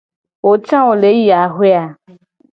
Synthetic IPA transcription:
wo˨t͡ʃã˦wo˨le˨˦ji˦a˨ɦwe˦a˨

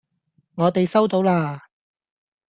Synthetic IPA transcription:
ŋɔː˨˧t̪e˨jsɐ˥wt̪o˨˥wlaː˧

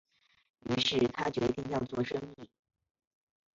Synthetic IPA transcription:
y˧˥ʂɻ̩˥˩t̪ʰa˥t͡ɕɥɛ˧˥t̪i˥˧ŋjɑ˥˧ʊt͡swɔ˥˩ʂɤ˥ŋi˥˩

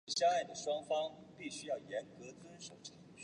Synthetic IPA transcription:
ɕja˥˧a˥˩ɪd̪ə˩ʂwɑ˥ŋfɑ˥ŋpi˥˩ɕy˥jɑ˥˩ʊjɛ˧˥nkɤ˧˥t͡swə˥nʂo˨˩ʊʈ͡ʂʰɑ˧˥˧ŋ

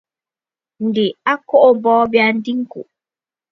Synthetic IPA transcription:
ndi˨a˦kːɔ˦ʔɔ˨bɔː˦bɛandi˦ŋkṵ˨

